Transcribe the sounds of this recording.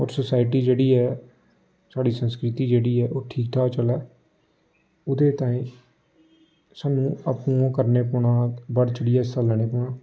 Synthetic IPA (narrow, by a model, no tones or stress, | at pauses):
ɔːɾsəsaːɪʈiːd͡ʒeːɽiːɛː | saːɽiːsənskɾɪt̪iːd͡ʒeːɽiːɛːʔoːʈʰiːk̚t̪ʰaːt͡ʃəlɛː | ʊd̪eːt̪ãːĩː | saːnũːəpũːkəɾneːpʊɳãːbəɾt͡ʃəɽiːɛːsəlɳeːpʊɳãː